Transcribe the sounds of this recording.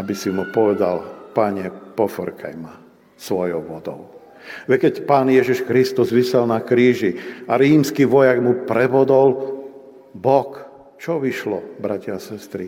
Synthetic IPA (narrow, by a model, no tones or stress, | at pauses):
abisimupɔʋɛd̪a̰lpaɲɛpɔfɾkʰa̰jma | sʋɔjɔʊʋɔd̪ɔ̰ʊ | ʋɛkɛcpaːnjɛʒiʃkɾist̪uzʋisɛlnakɾiːʒiaɾiːmskiːʋɔjaɡmupɾɛbɔd̪ɔl | bɔk | t͡ʃɔʋiʃlɔ̰bɾacɪaːsɛst̪ɾi